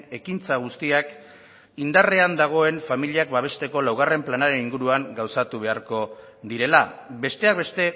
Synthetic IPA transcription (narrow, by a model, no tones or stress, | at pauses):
e̞kint͡saɣ̞ust̪iak | ind̪are̞and̪aɣ̞o̞e̞nfamiliakbaβ̞e̞st̪e̞ko̞lawɣare̞mplanaɾe̞niŋɡuɾuaŋɡawsat̪uβe̞aɾko̞ | ðiɾe̞labe̞st̪e̞ak̚be̞st̪e̞